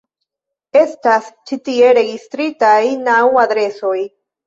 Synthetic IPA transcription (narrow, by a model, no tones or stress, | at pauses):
est̪ast͡ʃit̪ieɾeɣist̪ɾit̪ajnawad̪ɾesoj